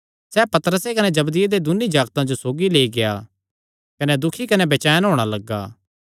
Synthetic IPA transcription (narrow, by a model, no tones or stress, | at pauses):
sɛːpɐt̪ɾəsekɐnɛd͡ʒɐbd̪ɪjed̪ed̪ʊnid͡ʒaːɡt̪ãd͡ʒosoːɡileːiɡeja̰ | kɐnɛd̪ʊkʰikɐnɛbɐt͡ʃaːjənɦoːɽ̃alɐɡːa̰ː